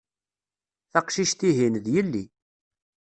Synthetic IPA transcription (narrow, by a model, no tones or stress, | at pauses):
θɑqʃiʃt̪iɦinðjəlːi